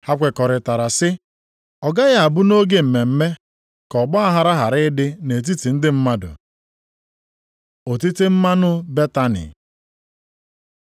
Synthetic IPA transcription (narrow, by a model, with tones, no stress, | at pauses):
ha˦kʷe˨kɔ˨ɾɪ˨ta˨ɾa˨sɪ˦ | ɔ˨ɡa˦ɣa˦a˨bʊ˦no˦ɡe˦m̩˨me˨m̩˦me˦ | kɔ˨ɡ͡bɔ˦a˦ɦa˨ɾa˦ɦa˨ɾɪ˦ɪ˦dɪ˦ne˨t̬i˦ti˨n̩˦dɪ˦m̩˦ma˦dʊ̰˨ | o˨ti˦te˦m̩˦ma˦nʊ˦be˦ta˦nɪ̰˨